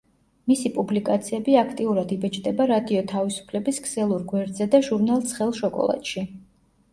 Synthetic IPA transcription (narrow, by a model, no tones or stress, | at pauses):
misipʼublikʼat̪sʰiɛbiakʰt̪ʼiuɾad̪ibɛt͡ʃʼd̪ɛbaɾad̪iɔt̪ʰavisu̥pʰlɛbisɡsɛlˠuɾɡwɛɾd̪zɛd̪aʒuɾnalˠt̪sʰχɛlˠʃɔkʼɔ̰lˠa̰t̪ʼʃi